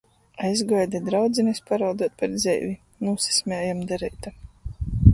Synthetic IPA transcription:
ajzɡajd̪ɛd̪ɾawd̪zinespaɾawd̪uɔt̪̚paɾd̪zʲɛ̰jvʲi | nuːsi̥sʲmʲɛːjamd̪ɛɾɛjt̪a

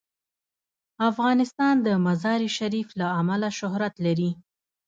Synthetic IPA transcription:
afɣɑnɪst̪ɑnd̪əmazɑɾiʃaɾiflaamalaʃʊhɾat̪laɾi

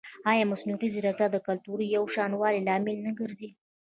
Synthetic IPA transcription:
ɑjɑmasnuʁiziɾaɡ̚t̪ad̪əkalt̪uɾijawʃɑnwɑlilɑmɪlnaɡəɾzi

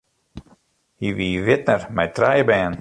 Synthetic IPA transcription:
hiviːvɪt̪nəɾmajt̪ɾajbɛːn

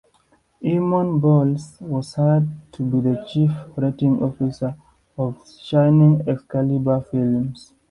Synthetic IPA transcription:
ʔimɔ̃nbɔlswɔzhad̚tʰubiðət͡ʃifɹatĩŋɔfisə | ɔv | ʃãjnĩŋɛskalibafilms

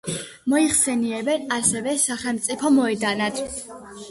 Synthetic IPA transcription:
mɔiχsɛniɛbɛnasɛvɛsaχɛlˠmt̪sʼipʰɔmɔɛd̪anad̪̥

